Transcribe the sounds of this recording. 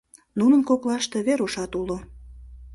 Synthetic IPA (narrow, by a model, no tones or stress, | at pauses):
nunənkoklɑʃt̪e̽βeɾuʃɑt̪ulo